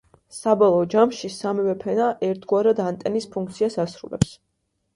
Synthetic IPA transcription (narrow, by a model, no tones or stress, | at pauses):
sabɔlˠɔːd͡ʒamʃisamivɛpʰɛnaʔɛɾt̪ʰɡwaɾad̪ant̪ʼɛnispʰuŋk̚ʰt̪sʰiasasɾṵlɛ̰ps